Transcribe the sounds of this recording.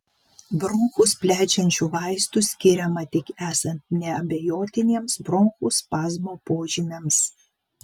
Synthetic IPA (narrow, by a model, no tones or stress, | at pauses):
bɾɔŋxʊspʲlʲæːt͡ʃʲɛnʲt͡ʃʲuːʋɑˑɪst̪usʲkʲɪɾʲɛmɐt̪ʲɪkæːsɐnʲt̪̚nʲɛɐbʲejoːt̪ʲɪnʲiɛmsbɾɔŋxʊspɑːzmoːpoːʒʲɪmʲems